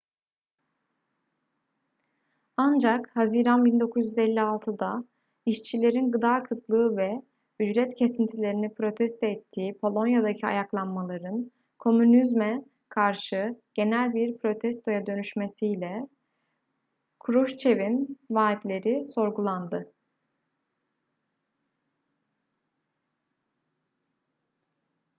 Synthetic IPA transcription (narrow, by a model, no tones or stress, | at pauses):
and͡ʒakhaziɾanbind̪o̞kʰuzjyzɛlʲːialˠt̪ʰɯd̪a | iʃt͡ʃʰilʲe̞ɾinɡɯd̪aːkʰɯk̪lˠɯːvɛ | yd͡ʒɾɛt̪cʰe̞sint̪ʰilʲe̞ɾinipɾo̞t̪ʰɛst̪ʰɛːt̪ʰːiːpʰo̞lˠo̞njad̪acʰia̰jaklˠanmalˠaɾɯn | kʰo̞mynizmɛ | kʰaɾʃɯɟ̥e̞nælʲbiɾpʰɾo̞t̪ʰɛst̪ʰo̞jad̪ø̞nyʃme̞sijlʲɛ | kʰɾuʃt͡ʃʰe̞vinvaːit̪lʲe̞ɾiso̞ɾɡulˠand̪ɯ